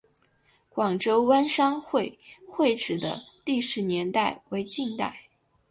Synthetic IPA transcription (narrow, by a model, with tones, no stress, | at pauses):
kwɑ˨˩ŋʈ͡ʂo˥ʊwa˥nʂɑ˥ŋxwe˥˧ɪxwe˥˧ɪʈ͡ʂɻ̩˨˩d̪ə̰˦t̪i˥˩ʂɻ̩˧˥njɛ˧˥nt̪a˥˩ɪwe˧˥ɪt͡ɕi˥˧ŋt̪a̰˥˩ɪ